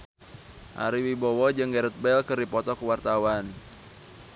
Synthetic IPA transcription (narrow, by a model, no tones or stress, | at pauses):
ʔa̰ɾiwibɔwɔd͡ʒɨŋɡɛɾɛt̪̚bɛlkɨrdipɔt̪ɔkuwart̪awan